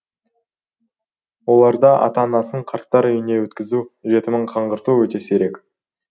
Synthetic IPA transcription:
wo̞lˠɑɾd̪ɑʔɑ̰t̪ɑnɑsəɴqʰɑɾt̪ːɑɾʏjɪne̞wɵt̪kʲɪzuʒe̞t̪ɪmɪɴqʰɑɴʁəɾt̪uwɵt̪e̞seɾe̞kʲ

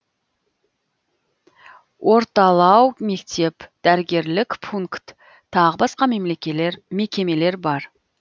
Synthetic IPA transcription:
wʔo̞ɾt̪ɑlˠɑwme̞kt̪e̞pd̪̥æɾɪɡʲe̞ɾlɪkpʰuŋkt̪ʰː | ɑʁəbɑsqɑme̞mle̞kʲeleɾme̞kʲe̞me̞le̞ɾbɑɾ

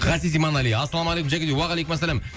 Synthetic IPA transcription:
ʁæsizijmɑnæliɑsːɑlˠɑmɑlʲˠejkumʒækʲed̪ewɑʁɑlejkʊmæs̬ːælæm

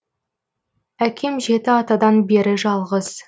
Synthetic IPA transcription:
ækʲʰe̞mʒe̞t̪ɪɑt̪ɑd̪ɑnbe̞ɾɪʒɑlˠʁəz̥

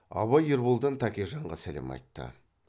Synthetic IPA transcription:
ɑ̰βɑjɪɾbulˠd̪ənt̪ʰɑkʲeʒɑɴʁɑsæle̞̰mɑ̰jt̪ːə̰

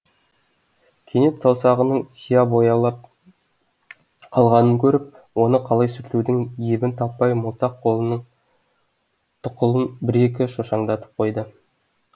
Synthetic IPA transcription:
kʲʰene̞t̪sɑwsɑʁənəɴsijɑbo̞jɑlˠɑp̚ | qʰɑlˠʁɑnəŋkʲʰɵɾɪp̚ | wo̞nəqʰɑlˠɑjsʏɾt̪ud̪ɪŋjebɪnt̪ʰɑpːɑjmʊlˠt̪ɑqʰːo̞lˠənəɴ | t̪ʰʊqʊlˠənbɪɾek̬ʲɪʃoʃɑɴd̪ɑt̪ə̥p̚qʰo̞jd̪ə

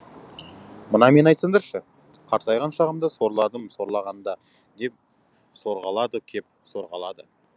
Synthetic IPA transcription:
mənɑme̞nɑjt̪səŋd̪ɑɾʃə | qʰɑɾt̪ɑjʁɑnʃɑʁəmd̪əso̞ɾlˠɑd̪əmso̞ɾlˠɑʁɑnd̪ɑ | d̪e̞p̚ | so̞ɾʁɑlˠɑd̪əkʲʰe̞p̚so̞ɾʁɑlˠɑd̪ə

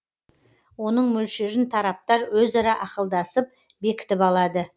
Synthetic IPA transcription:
wo̞nəɴmɵlʃeɾɪnt̪ʰɑɾɑp̚t̪ɑɾwɵzɑɾɑʔɑqəlˠd̪ɑsəp̚ | be̞kʲɪ̥t̪ɪpɑlˠɑd̪ə

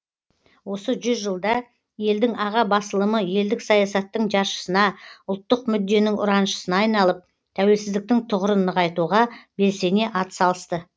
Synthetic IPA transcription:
wo̞səʒʏzʒəlˠd̪ɑ | je̞ld̪ɪŋɑʁɑbɑsəlˠəməje̞ld̪ɪksɑjɑsɑt̪ːəɴʒɑɾʃə̥sənɑʊlˠt̪ːəqmʏd̪ːe̞nɪŋʊ̰ɾɑnʃə̥sənɑːjnɑlˠəp̚ | t̪ʰæwe̞lsɪzd̪ɪk̚t̪ɪŋt̪ʰʊʁəɾənːəʁɑjt̪uʁɑbe̞lse̞ne̞ʔɑt̪ə̥sɑlˠəst̪ə

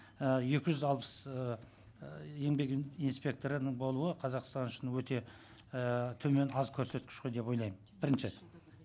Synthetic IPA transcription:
əje̞kʲɪʒʏzɑlˠpə̥s | je̞ŋbe̞kinspʲe̞k̚t̪o̞ɾənəɴbo̞lˠuəqʰɑzɑqst̪ɑnʊʃɪnəwɵt̪e̞ | t̪ʰɵme̞nɑzkʲʰɵɾse̞t̪kʲɪ̥ʃqojd̪e̞pwo̞jlˠɑjmənbɪɾɪnʃɪ

